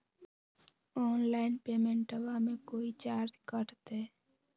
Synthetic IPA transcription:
ɔːnlaːɪnpeːmẽɳʈəʋamẽkoːit͡ʃaːɾt̪kəʈt̪eː

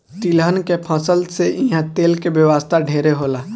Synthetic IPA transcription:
t̪ilɦənkepʰə̃səlseʔĩɦãt̪eːlkebjəʋaːst̪ʰaɖʱeːɾeɦoːlaː

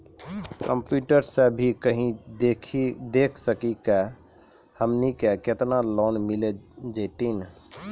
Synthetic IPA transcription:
kəmpjuʈəɾsebʱikəɦĩekʰid̪ekʰsəkike | həmnikeket̪nalɔnmiled͡ʒəɪt̪in

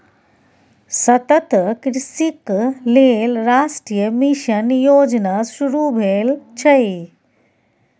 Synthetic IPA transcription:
sɐt̪ət̪kɾisikleːlɾaːʃʈɾijəmiʃənjoːd͡ʒnaʃuɾubʱeːlt͡ʃʰɐi

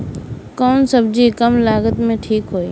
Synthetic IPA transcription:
kɔːnsəbd͡ʒikəmlaːɡət̪mẽʈʰiːkɦoːiː

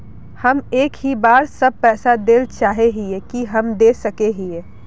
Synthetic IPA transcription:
hɐmeːkɦibaːɾsəb̚pɛːsad̪eːlt͡ʃaːɦeɦiekiɦɐmd̪eːsəkeɦieː

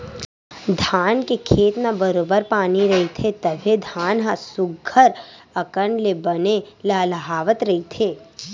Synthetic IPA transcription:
d̪ʱaːnkekʰeːt̪nabəɾoːbəɾpaːniɾɐɦit̪ʰet̪ɐbʱed̪ʱaːnɦasʊɡʱəɾ | ɐkəɳlebɐne | laːləɦaːʋət̪ɾɐɦit̪ʰeː

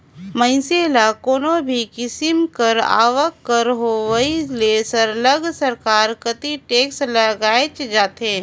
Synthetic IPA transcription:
mə̃ɪ̃selakoːnobʱikɪsɪmkəɾa̰ːʋəkːəɾɦoʋəilesɐɾləɡsəɾkaːɾkət̪iʈeːksləɡaːet͡ʃd͡ʒaːt̪ẽː

